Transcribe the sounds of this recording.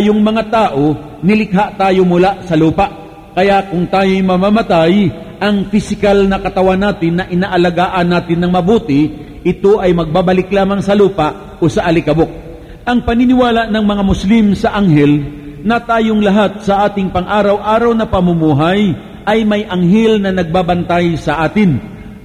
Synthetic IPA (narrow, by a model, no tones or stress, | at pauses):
joŋmɐŋat̪aːʔo̞ | nɪlɪk̚ɦaʔt̪aːjomʊlaʔsɐluːpɐʔ | kɐjaʔkʊŋt̪aːjojmɐmamɐt̪ajʔɐŋfɪsɪkalnɐkɐt̪ɐwanːaːt̪ɪnːɐʔɪnaʔɐlɐɡaːʔɐnːaːt̪ɪnːɐŋmɐbuːt̪ɪ | ʔɪt̪oʔɐjmɐɡ̚babɐlɪklaːmɐŋsɐluːpɐʔ | ʔosɐʔɐlɪkɐbok̚ | ʔɐŋpɐnɪnɪwaːlaʔnɐŋmɐŋamʊslimsɐʔaŋɦɛlnɐt̪aːjoŋlɐɦat̪̚sɐʔaːt̪ɪŋpɐŋʔaːɾɐwʔaːɾɐwnɐpɐmʊmuːɦɐj | ʔɐjmɐjʔɐŋɦɛlnɐnɐɡ̚babɐnt̪ajsɐʔaːt̪ɪn